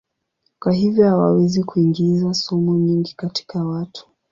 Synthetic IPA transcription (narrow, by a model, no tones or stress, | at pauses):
kwaɦivjɔhawa̰wɛzikuiŋɡizasɔmuɲiŋɡikati̥kawatʰu̥